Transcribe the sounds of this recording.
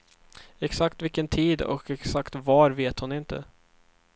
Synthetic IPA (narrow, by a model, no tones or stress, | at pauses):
ɛksakt̪vɪkːənt̪ʰiːd̪ɔ̰kɛksakt̪vaɾveːt̪hʊnɪnt̪ə̰